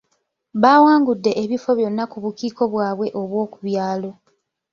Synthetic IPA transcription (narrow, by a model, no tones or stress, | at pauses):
βawaːŋɡudːe̞ʔeβifo̞βjo̞nːakuβukiːko̞βwaːβwe̞ʔo̞βwo̞ːkuβjaːlo̞